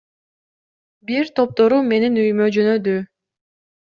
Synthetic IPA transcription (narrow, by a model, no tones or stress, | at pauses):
biɾt̪ʰo̞p̚t̪o̞ɾume̞ninyjmød͡ʒønød̪y